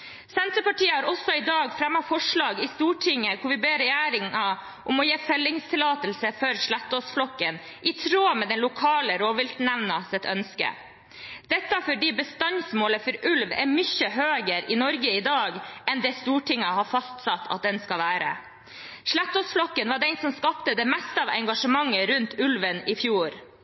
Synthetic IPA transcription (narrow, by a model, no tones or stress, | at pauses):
sɛnt̪ɾəpɑʈiːəhɑːɾɔsɔɪd̪ɑːɡfɾɛmːɑfɔʂɭɑːɡɪst̪uːʈʰɪŋːəkʰʊʋɪbeːɾɛjæːɾɪŋɑ | ʔʊmɔjeːfœlːɪŋst̪ʰɪlɑːt̪əlsəfœɾʂɭæt̪ːɔsflɔkːən | ʔɪt̪ʰɾoːmeːd̪ɛnlʊkʰɑːləɾoːʋɪlt̪næʋnɑsɛt̪ʰœnskə̰ | d̪̥ɛt̪ːɑfɔɖiːbəst̪ɑnsmoːləfɔɾʉlʋɛ̰ɾmʏçəɦøːɡəɾɪnɔɾɡəɪd̪ɑːɡɛnd̪ɛːst̪uːʈʰɪŋːɑhɑfɑst̪sɑt̪ʰːɑ̰t̪̚d̪ɛnskɑʋæːɾə̰ | ʂɭæt̪ːɔsflɔkːənʋɑɖɛnsɔmskɑpt̪əd̪ɛmɛst̪əɑːʋɛŋɡɑʂəmɑŋːəɾʉnt̪ʰʉlʋənɪfjuːɾ